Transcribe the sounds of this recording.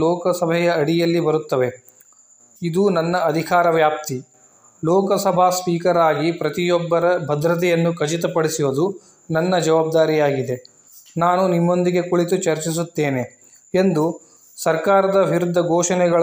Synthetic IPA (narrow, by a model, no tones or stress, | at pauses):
lɔːkɐsɐbʱɛjɐːɽijɐlːibɐɾut̪ːɐʋe̞ | id̪unɐnːɐːd̪ʱikaːɾɐʋjaːp̚t̪i | lɔːkɐsɐbʱaːspiːkɐɾaːɡipɾɐt̪ijɔbːɐɾɐbʱɐd̪ɾɐt̪̬ɛjɐnːukɐt͡ʃit̪ɐpɐɽisiʋod̪u | nɐnːɐd͡ʒɐʋaːb̚d̪aːɾijaːɡid̪e̞ | naːnunimːo̞nd̪iɡe̞kuɭit̪ut͡ʃɐɾt͡ʃis̬ut̪ːeːne̞ | end̪u | sɐɾkaːɾɐd̪ɐʋʱiɾud̪ʱːɐɡɔːʃɐnɛɡɐɭ